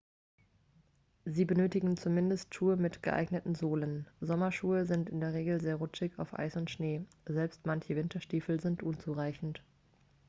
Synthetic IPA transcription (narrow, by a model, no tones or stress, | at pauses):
ziːbənøːtɪɡŋ̩t͡sumɪndəstʃuːəmɪtɡ̥əʔa̰ɪɡnətn̩zoːlənzɔmɐʃuːəzɪntɪndeːɐʁ̞eːɡl̩zeːɐʁʊt͡ʃɪça̰ʊfʔa̰ɪsʊntʃneː | zɛlpstmançəvɪntʰɐʃtiːfl̩zɪntʔʊnt͡suʁaɪçn̩t